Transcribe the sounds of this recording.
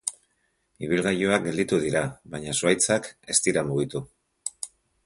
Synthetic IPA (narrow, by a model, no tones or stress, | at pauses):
iβ̞ilɣajoak̚ɡe̞ld̪it̪uðiɾaβajɲasuajt͡sake̞st̪iɾamuɣ̞it̪u